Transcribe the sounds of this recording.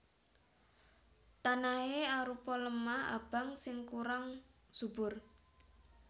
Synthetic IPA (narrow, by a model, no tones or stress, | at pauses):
t̪anaeaɾupɔləmaa̰b̥a̤ŋsɪŋkuɾaŋ | sub̥ʊr